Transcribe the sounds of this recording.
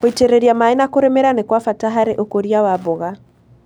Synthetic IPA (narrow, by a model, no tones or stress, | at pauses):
oitɛɾɛɾiamainakoɾɛmɛɾanekwafataɦaɾeʔokoɾiawaβoɣa